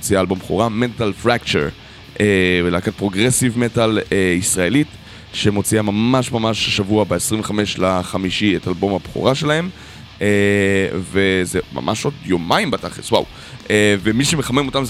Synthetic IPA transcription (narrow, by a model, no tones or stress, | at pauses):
t͡siaːlbo̞mbχo̰ʁamentalfʁakt͡ʃḛʁ | ʔevelaːkat̚pʁo̞ɡʁesivmetaleisʁaelit | ʃemo̞t͡siamamaʃmamaʃʃavuabeesʁiɱveχameʃlaχamiʃietalbo̞mabχṵʁaʃe̞lahe̞m | e | vezema̰mʔa̰ʃo̞djo̞maimbataχeswa̰w | ʔevemiʃemeχame̞mo̞tamz